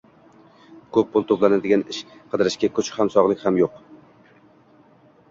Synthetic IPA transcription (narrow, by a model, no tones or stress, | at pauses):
kʰɵp̚bolˠt̪ʰoplˠanad̪ɪɡʲanɪʃqʰɨd̪ɪɾɪʃkʲakʰʊt͡ʃʰhamsɒʁlˠɪkʲhamjoq